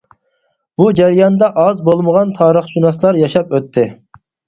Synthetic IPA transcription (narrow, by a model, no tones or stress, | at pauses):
b̥ud͡ʒɛɾjɑnd̪ɑʔɑzbolˠməʁɑnt̪ʰɑːɾəχʒunɑslˠɑɾjɑʃɑpøt̪ʰːɪ